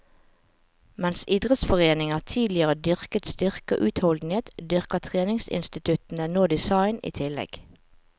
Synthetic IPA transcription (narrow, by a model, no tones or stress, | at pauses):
mɛnsid̪ʁət̪sfɔʁeːnɪŋɑt̪ʰiːlɪəʁəd̪ʏʁkət̪st̪ʏʁkə̰ʔʉːt̪hɔld̪n̩eːt̪d̪ʏʁkət̪ʰʁeːnɪŋsɪ̰nst̪ɪt̪ʰʉt̪n̩ənoːd̪ɪsɑɪnḭːt̪ʰɪlɛ̰ɡ̥